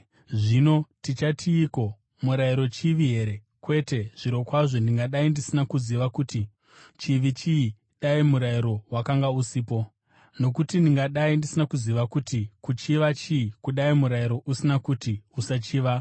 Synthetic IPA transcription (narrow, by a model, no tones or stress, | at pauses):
ʐino̞tit͡ʃatʰiːko̞ | muɾaiɾo̞t͡ʃiʋiɦe̞ɾe̞ | kwe̞te̞ʐ̥iɾo̞kwaʐo̞ndiŋɡaɗaindisinakuziʋakuti | t͡ʃiʋit͡ʃii | ɗaimuɾaiɾo̞wakaŋɡausiːpo̞ | no̞kutindiŋɡaɗaindisinakuziʋakutikut͡ʃiʋat͡ʃiikuɗaimuɾaiɾo̞ʔusinakutiusat͡ʃiːʋa